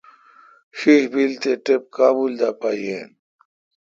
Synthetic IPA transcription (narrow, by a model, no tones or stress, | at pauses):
ɕihbilt̪eʈep̚kaːbuld̪aːpajḛn